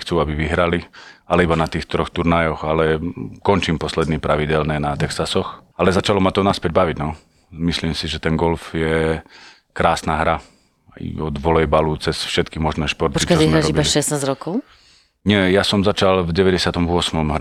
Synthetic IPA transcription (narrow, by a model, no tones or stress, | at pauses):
xt͡suabiʋiɦɾalialɛibanat̪iːxt̪ɾɔxt̪uɾnajɔxalɛkɔnt͡ʃimpɔslɛd̪nipɾaʋiɟɛlnɛnat̪ɛksasɔxalɛzat͡ʃalɔmat̪ɔnaspɛɟ̚baʋiɟnɔ | misliːmsiʒɛt̪ɛnɡɔlfjɛ | kɾaːsnaɦɾa | ɔd̪ʋɔlɛjbalut͡sɛsfʃɛt̪kimɔʒnɛːʃpɔɾt̪ikt͡ʃɔimɦɾɛaʒɔibibaʃɛsnaːzɾɔkɔʊ | ɲɪɛjasɔmzat͡ʃalvɟɛʋɛɟɛsɪat̪ɔmʋʊɔsmɔmɦ